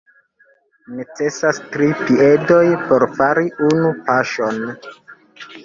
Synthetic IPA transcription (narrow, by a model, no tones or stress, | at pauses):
ne̞t͡se̞sastɾipie̞do̞jpo̞ɾfaɾiunupaʃo̞n